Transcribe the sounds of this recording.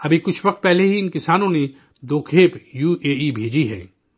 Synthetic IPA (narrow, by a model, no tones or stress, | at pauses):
ɐbʱikʊt͡ʃʰʋɐq̚t̪̚pɛɦleɦiɪnkɪsaːnõne | d̪oːkʰeːpjuːeːibʱeːd͡ʒiɦɛ̰ː